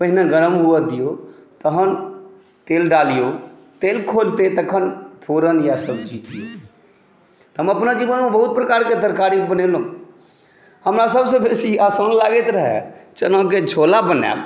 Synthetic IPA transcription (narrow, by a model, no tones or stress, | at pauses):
pəɦɪnaɡəɾəmɦʊad̪ijot̪əɦən | t̪eːlɖaːlijo | t̪eːlkʰoːlt̪et̪əkʰənpʰoːɾənjasəbd͡ʒiːt̪io | t̪əməpnad͡ʒiːʋənmẽbəɦʊt̪̚pɾəkaːɾked̪əɾkaːɾibənelõ | həmɾasəbsebeːsiaːsəːnlaːɡet̪ɾəɦɛ̰t͡ʃənə̃k̬ed͡ʒʱoːlabənja̰